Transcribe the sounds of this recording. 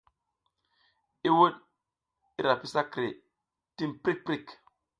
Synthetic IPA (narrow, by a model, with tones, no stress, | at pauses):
i˦wo˦t̚ | i˦ɾa˨pi˦sa˦kɾe˨ | ti˦npɾi˦k̚pɾi˦k